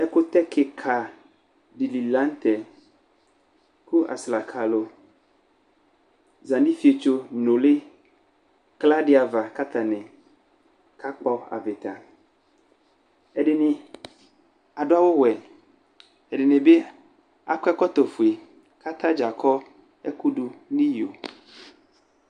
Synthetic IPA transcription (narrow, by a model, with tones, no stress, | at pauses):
ɛ˦ko˦t̪ɛ˦kʰe˨kʰa˨ | ɖi˨li˨lã˦n˦t̪ɛ˨ | ku˦ʔa̰˨sla˨kʰa˨lo˨ | zã˨nɖi˦fi˨˦e˨t͡ʃo˦nõ˨le˦ | kla˦ɖe˦a˨va˨ka˦t̪a˨nɛ̃˨ | ka˦k͡pɔ˦a̰˨ve˨t̪a˨ | e˦ɖe˨nĩ˨ | a˨ɖo˦a˦wo˦wɛ˨ | e˨ɖe˨nẽ˨be˦ | a̰˨kɛ˦kɔ˦t̪o˨fu˨e˨ | ka˦t̪a˦d͡ʒa˨kʰɔ˦ | e˦ku˦ɖu˨nĩ˦jo˨